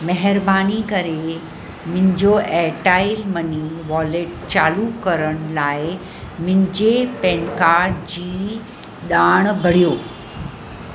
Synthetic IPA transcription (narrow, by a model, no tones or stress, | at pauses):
mɐɦəɾbaːnikɐɾe | mʊ̃ɪ̃ɲd͡ʑoʔɛʈaːɪlmɐniʋɔːleʈ̚t͡ɕaːlukɐɾəɽ̃laːɪ | mɪ̃ɦɪ̃ɲd͡ʑepɛ̃ːnkaːɾɖd͡ʑiː | ɗaːɽ̃bʱɐɽ̤ijoː